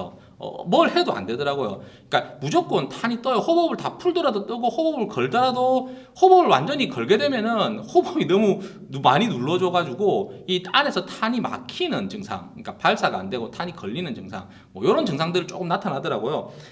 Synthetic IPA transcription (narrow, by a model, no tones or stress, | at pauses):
ʌ̰mʌɭhe̞doa̰nde̞dʌɾaɡojo̰ik͈amud͡ʑok͈wʌntʰaɲit͈ʌjohobʌbɯɭtapʰuɭdoɾadot͈ʌɡohobʌbɯɭkʌɭdʌɾado | hobʌbɯɭwa̰nd͡ʑʌɲikʌɭɡe̞dwe̞mjʌnɯnhobʌbinʌmu | numaɲinuɭːʌd͡ʑʌɡad͡ʑuɡoit͈ʰʼane̞sʰʌtʰaɲima̰kʰinɯnt͡ɕɯŋsʰa̰ŋɯɲik͈apaɭs͈aɡa̰ːndwe̞ɡotʰaɲikʌʎːinɯnt͡ɕɯŋsʰa̰ŋ | mʌjʌɾʌnt͡ɕɯŋsʰaŋdɯɾɯɭt͡ɕ͈ok͈ɯmnatʰanɦadʌɾaɡojo